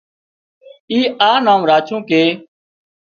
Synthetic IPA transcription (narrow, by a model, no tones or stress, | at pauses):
iːaːnãːmɾaːt͡ʃʰõːkeː